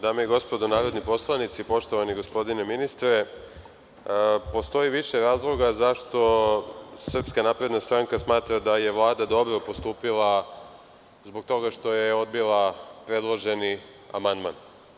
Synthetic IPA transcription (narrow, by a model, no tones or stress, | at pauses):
d̪aːmeiɡo̞spo̞d̪onaːɾo̞d̪nipo̞slˠanit̪sipo̞ʃt̪o̞ʋaniɡo̞spo̞d̪ineminist̪ɾe̞ | po̞st̪o̞jiʋiʃe̞ɾaːzlˠo̞ɡazaʃt̪o̞ | srpskanaːpɾe̞d̪nast̪ɾaŋkasmaːt̪ɾad̪aje̞ʋlˠaːd̪ad̪o̞bɾo̞po̞st̪uːpilˠa | zbo̞ɡ̚t̪o̞ɡaʃt̪o̞jeo̞d̪bilˠapɾe̞d̪lˠo̞ʒe̞ni | a̰mand̪man